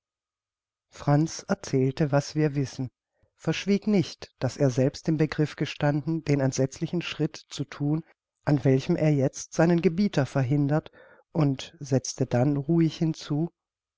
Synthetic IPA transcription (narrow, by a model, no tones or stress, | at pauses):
fʁ̥ant͡sɛɐt͡sɛːltəvasv̥iːɐvɪsn̩ | fɛɐʃv̥iːknɪçtd̥aseːɐzɛlpstɪmbəɡʁɪfɡ̥əʃtandn̩deːnɛntz̥ɛt͡slɪçn̩ʃʁ̥ɪtt͡sutʰuːn | ʔanvɛlçəmʔḛːɐjɛt͡stz̥aɪnənɡəbiːtʰɐfɛɐɦɪndɐt | ʔʊntz̥ɛt͡stədanʁuːɪçhɪnt͡suː